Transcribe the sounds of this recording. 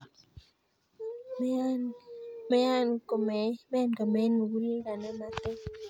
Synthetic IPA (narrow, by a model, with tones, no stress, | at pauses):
mɛ˦ja˦nko˨mɛ˨mɛ˦ndɔ˨mɛ˨˦n˨wu˦lɡa˨nɛ˦ma˦t̪e˦